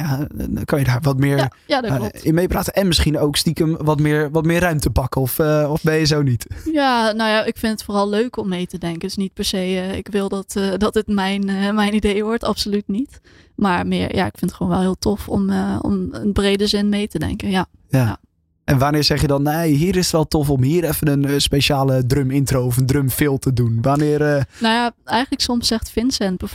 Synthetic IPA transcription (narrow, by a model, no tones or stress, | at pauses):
jakɑnjədaːɹʋɔtmɪːɹ | jadlɪnmejpraːtənɛnmɪsχinowkstikəmʋɔtmɪːɹʋɔtmɪːrœɥmtəpɑkəɔfɔfbɛjəzownitjanowjaʔɪkfɪntətfoːrɑlˠløɥkɔmːejtədɛŋkəndəsnit̚pɛɹsejɪ̰kʋɪlˠdɑtdɑtətmɛjnmɛjnidejʋɔɹtɑpsolytnit | maɹmɪəɹja̰ɪ̰kfɪntχəʋoːnʋɛlˠhiːlˠtʰɔfɔ̰mɔ̰mənbrejdəzɪnmejtədɛ̰ŋkənja | ja | ʔɛnʋanɪːsɛχjədɔnːejɦiːɾɪsətʋɛlˠtɔfɔmhiːəɾɛfənənspeʃaːlədrømɪntroɔfəndrømfɪlˠtədunʋanɪːərnojaɛjχəntləksɔmsɛxtfɪnsɛnbəf